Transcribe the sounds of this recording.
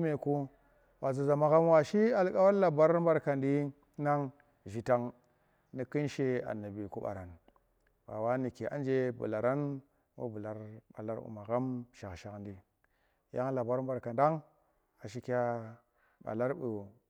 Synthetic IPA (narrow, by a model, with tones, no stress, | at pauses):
me˨ku˦ | ba˨zu˨za˨ma˨ɣa˦m˦wa˨ʃi˦a˨lka˦wa˦la˨ba˦ɾm˦ba˦ɾka˨ndi˦ | na˦ŋ | ʒi˨ta˨ŋ | ni˨kɨ˦nʃe˦a̰˨nːa˨bi˨ku˦ɓa̰˨ɾa˨n | ba̰˨wa˦ni˨ke˨ʔa̰˦nd͡ʒe˦bṵ˨la˨ɾa˦n | wṵ˦bu˨la˨ɾba̰˨la˦ɾbṵ˨ma˨ɣa˦mʃa˨kʃa˨kndi˦ | ja˦ŋa˦la˨ba˦ɾm˦ba˨ɾka˨nda˦ŋ | a˨ʃ̬i˦kʲa˦ | ɓa̰˨la˦ɾɓu˨